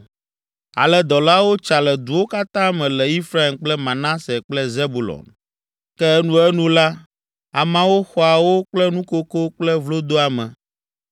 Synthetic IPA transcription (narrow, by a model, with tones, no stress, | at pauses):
a̰˨lɛ˦d̪ɔ˨la˦wo˦t͡ʃa˨lɛ˨d̪u˨wo˦ka˦t̪ã˦mɛ̃˨lɛ˨i˦fɾa˦i˨mk͡plɛ˦mã˨nã˦sɛ˨k͡plɛ˦ze˦bu˨lɔ̰˨n | kɛ˦nũ˦ɛ˦nũ˦la˦ | a˨mã˦wo˦xɔ˨a˨wo˦k͡plɛ˦nũ˦ko˦ko˦k͡plɛ˦vlo˦d̪o˦a˨mɛ̰̃˨